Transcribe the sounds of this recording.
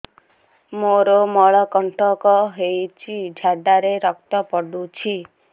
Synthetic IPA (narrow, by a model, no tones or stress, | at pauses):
moɾomɔɭɔkɔɳʈʰɔkɔɦejt͡ʃʰid͡ʒʱaɖaɾeɾɔk̚t̪ɔpɔɖut͡ʃʰi